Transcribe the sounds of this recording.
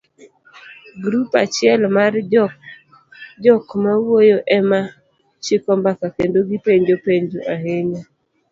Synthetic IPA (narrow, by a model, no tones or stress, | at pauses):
ɡɾupat͡ʃɪɛlmar | d͡ʒɔkmawojoʔɛma | t͡ʃɪkɔmbakakendoɡipeɲd͡ʒopeɲd͡ʒoʔaɦeɲa